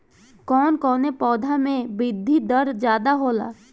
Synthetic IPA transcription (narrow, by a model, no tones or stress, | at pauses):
kɔːnkɔːnepɔːd̪ʱamẽbɪd̪ʱːid̪əɾd͡ʒjaːd̪aɦoːla̰ː